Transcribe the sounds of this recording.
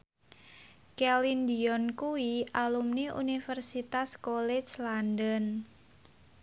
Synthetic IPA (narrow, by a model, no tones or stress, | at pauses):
kɛlindiɔnkuwiʔalumniʔṵnifərsit̪askolɛ̥t͡ʃlandən